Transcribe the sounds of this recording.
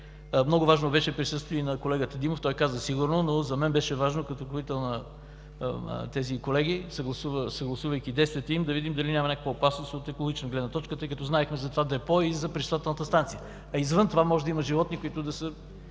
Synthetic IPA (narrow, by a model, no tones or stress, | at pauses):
mnɔɡʊvaʒnobɛʃɛpɾisɤst̪viinɐkolɛɡət̪əd̪imoft̪ɔjkazəsiɡʊɾnonozɐmɛnbɛʃɛvaʒnokɐt̪okɾovit̪ɛlˠnɐ | t̪ɛzikolɛɡisəɡlˠɐsuvəsɐɡlˠɐsuvəjkʲid̪ɛjst̪viət̪ɛimd̪ɐvid̪imd̪ɐlinʲamɐnʲakə̥kvəopasnosot̪ɛkolˠoɡit͡ʃɛnɡlɛd̪nɐt̪ɔt͡ʃkət̪ɤjkɐt̪ɔznaɛxmɛzɐt̪ovad̪ɛpɔizɐpɾɛt͡ʃ̪t̪vat̪ɛlˠnət̪əst̪ant̪sijə | ɐizvənt̪ovamɔʒɛd̪ɐiməʒivɔt̪nikoit̪ʊd̪ɐsə